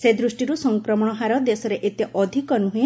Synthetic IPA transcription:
sed̪ɾusʈiɾusɔŋkɾɔmɔɽ̃ɔɦaɾɔd̪esɔɾeʔet̪eʔɔd̪ʱikɔnuɦe

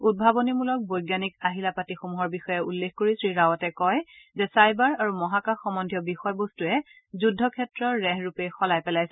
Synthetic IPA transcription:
ud̚bʱabɔnimulɔk̚bojɡjanikaɦilapatixomuɦɔɹbixɔjɛulːexkoɹisɹiɹawɔtɛkɔjzɛsajbaɹaɹumɔɦakaxːɔmɔndʱijɔbixɔjbostuɛ | zudʱːɔkʰɛtɹɔːɛɦɹupejxɔlajpɛlajsɛ

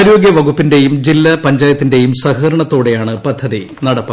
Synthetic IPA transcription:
ɾoːɡjɐʋɐɡupːinde̞jumd͡ʑilːɐpɐɲd͡ʑaːjɐt̪ːinde̞jumsɐhɐɐɾɐɳɐt̪ːo̞ːɽe̞jaːɳɨpɐd̪ʱːɐði | nɐɽɐpːɐ

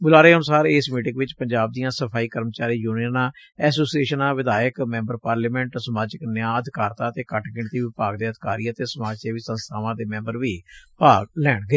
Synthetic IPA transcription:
bʊlaːɾeːənʊsaːɾeːsmiːʈɪkʋɪt͡ʃpəɲd͡ʒaːb̚d̪ijãːsəpʰaːiːkəɾmt͡ʃaːɾiːjuːniənãː | ɛːsoːsieːʃənãːʋɪd̪aːjəkmɛ̃ːmbəɾpaːɾliːmɛ̃ːɳʈsəmaːd͡ʒɪknjãːəd̪ʱɪkaːɾt̪ãːət̪eːkəʈɡɪɳt̪iːʋɪpaːɡd̪eːəd̪ʱɪkaːɾiːaːt̪eːsəmaːt͡ʃeːʋiːsə̃nst̪ʰaːʋãːd̪eːmɛ̃ːmbəɾʋiːpaːɡlɛːɳɡəeː

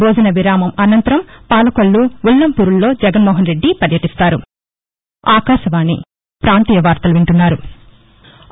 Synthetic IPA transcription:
boːd͡ʒɐnɐʋiɾaːmɐmɐnɐnt̪ɐɾɐmpaːlɐkoɭːuulːɐmpuːɾulːo̞ːd͡ʒɛɡɐnmɔːɦɐnɾeɖːipɐɾjɐʈist̪aːɾu | aːkaːʃɐʋaːnːḭ | pɾaːnt̪iːjɐʋaːɾt̪ɐluʋeɳʈunːaːɾu

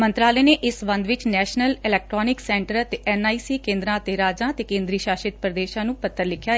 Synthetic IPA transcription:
mə̃nt̪ɾaːleːneːʔɪsbə̃nd̪ʋɪt͡ʃnɛːʃnəlɪlɛːk̚ʈɾoːnɪksɛ̃ːɳʈəɾət̪eʔɛnaːiːsiːkẽːnd̪ɾãːət̪eːɾaːd͡ʒãːt̪eːkẽːnd̪ɾiːʃaːʃɪt̪̚pɾəd̪eːʃãːnũːpət̪ʰːəɾlɪkʰjaː

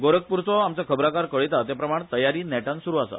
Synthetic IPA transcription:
ɡoɾək̚puɾt͡sɔamt͡sakʰəbɾakaɾkəɭit̪at̪japɾəmaɳ̃t̪əjaɾiːnɛʈãnsuɾuːasa̰

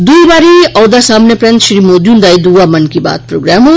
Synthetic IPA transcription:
d̪ujbaɾiʌwd̪asamnepɾent̪ʃɾimod̪jund̪ajd̪uwamɐnkiba̰t̪̚pɾoɡɾamo

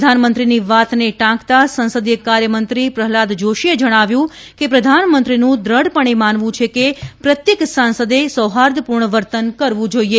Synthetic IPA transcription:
d̪ʱanmənt̪ɾiniʋat̪neʈãkt̪asə̃nsəd̪jəkaɾjəmənt̪ɾipɾəɦlad̪d͡ʒoʃied͡ʒəɽ̃aʋjũ | kepɾəd̪ʱanmənt̪ɾinũd̪ɾəɽpəɳ̃emanʋũt͡ʃʰekepɾət̪jeksãnsəd̪esəɦaɾd̪ʱəpuɾɳəʋəɾt̪ənkəɾʋũd͡ʒoie

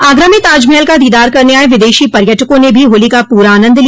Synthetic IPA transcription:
aːɡɾəmɪt̪aːd͡ʒmɛːlkad̪iːd̪aːɾkɐɾneaːeʋɪd̪eːʃipɐɾjəʈʰəkõnebʱiɦoːlikapuːɾaːnə̃nd̪li

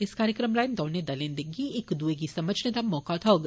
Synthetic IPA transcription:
ɪskaːɾjəkɾəmɾaːjmd̪ɔːned̪ɐlẽːnd̪eɡiekd̪ueɡisɐməd͡ʒʱned̪amɔːkat̪ʰɔːɡ

